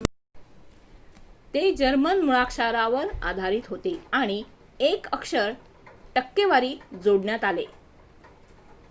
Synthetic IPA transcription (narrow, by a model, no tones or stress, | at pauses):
t̪ed͡ʑəɾmənmuɭakʂaɾaʋəɾa̰d̪ʱaɾiːt̪ɦot̪eaɽ̃i | ekəkʂəɾ | ʈəkːeʋaɾiːd͡zoɽɳjat̪ale